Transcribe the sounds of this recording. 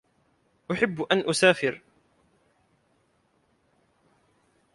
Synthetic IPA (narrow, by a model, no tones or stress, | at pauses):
ʔʊħɪbːʔanʔʊsaːfɪɾ